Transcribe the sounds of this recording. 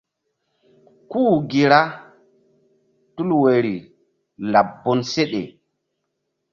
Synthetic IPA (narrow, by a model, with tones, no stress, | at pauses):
kuː˦˨ɡi˨ɾa˦ | tu˦lwe˨ɾi˨ | la˨bːo˦nse˦ɗḛ˨